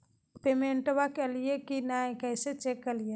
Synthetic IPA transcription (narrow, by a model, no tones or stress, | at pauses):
pemeɳʈʋakeliekinajkɛɦset͡ʃekːəlie